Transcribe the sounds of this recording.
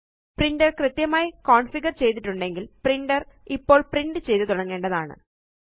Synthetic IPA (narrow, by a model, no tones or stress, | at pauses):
priɳɖɐrkrɨt̪jɐmaːjikoːɳfiɣɐrt͡ɕe̞jt̪̬ːiʈːuɳɖe̞ŋɡilpriɳɖɐripːo̞ːɭpriɳɖɨt͡ɕe̞jt̪ɨt̪uɽɐŋːe̞ːɳɖɐðaːɳɨ̰